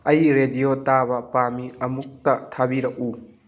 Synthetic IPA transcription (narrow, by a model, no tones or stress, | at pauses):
ɐjɾedijotabɐpamiɐmuk̚tɐtʰabiɾɐk̚u